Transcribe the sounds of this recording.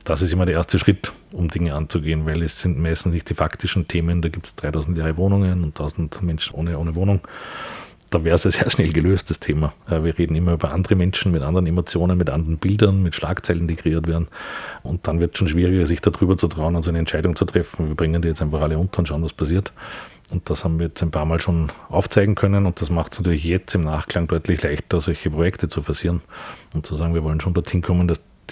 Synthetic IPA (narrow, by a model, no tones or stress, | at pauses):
d̥asɪstɪmɐdɾɛɐɛːɐstəʃʁ̥ɪtʊmdɪŋəant͡sʊɡeːənvæɪlɛsːɪntmæɪstn̩snɪçt̚d̥iːfaktɪʃn̩tʰeːməndaːɡiːp̚tsd̥ʁaɪtɑʊzn̩tjaːʁəvoːnʊŋənʊnttʰːaʊzn̩tmɛnʃn̩ʔo̰ːnəoːnəvoːnʊŋ | d̥aːvɛːɐəsaseːɐʃnɛlɡəløːstd̥astʰeːmaviːɐʁeːdn̩ɪmɐyːbɐʔa̰ndəʁəmɛnʃn̩mɪtʔa̰ndəʁənemot͡sjoːnənmɪtʔa̰ndəʁənb̥ɪldɐnmɪtʃlʔa̰ːkt͡sæɪlənd̥iːkʁeiːɐtvɛːɐn̩ʊnt̚d̥anvɪɐtsʃoːnʃʋ̥iːʁɪɡɐsɪçd̥adʁyːbɐt͡sutʁ̥aʊnʊntsæɪnəɛntt͡ʃæɪɾʊŋt͡sutʁ̥ɛfn̩viːɐb̥ʁɪŋəndiːjɛt͡stæɪnfaχaləʊ̃ntɐʊntʃaʊənvaspʰasiːɐtʊnt̚d̥ashaːbm̩viːɐjɛt͡stæɪnpʰaːɐmaːlʃoːnʔaʊft͡sæɪɡŋ̩kʰœnənʊnt̚d̥asmaχtsnatyɐlɪçjɛt͡sɪmnaːχkl̥aŋd̥ɔʏtlɪçlæɪçtɐzɔlçəpʁojɛktət͡sufɛɐsiːɐnʊntt͡suzaːɡŋviːɐvɔlənʃoːndɔɐthɪnkʰɔmənd̥as